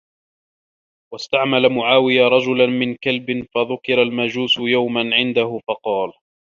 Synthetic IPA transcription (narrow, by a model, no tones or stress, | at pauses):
wast̪aʕmalamʊʕaːwɪjaɾˤɑd͡ʒʊlanmɪnkalbɪnfaðʊkɪɾalmad͡ʒuːsʊjawmanʕɪnd̪ahʊfɑqɑːl